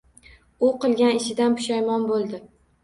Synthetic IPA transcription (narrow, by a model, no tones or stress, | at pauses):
ʊqɨlˠɡʲanɪʃɪd̪anpʰʊ̥ʃajmɒnbolˠd̪ɪ